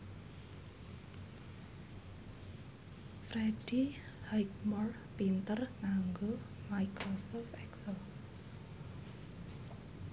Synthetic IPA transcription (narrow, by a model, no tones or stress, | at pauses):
frɛɖi | hajkmɔr | pint̪ərnaŋɡo | majkrosɔfʔɛksəl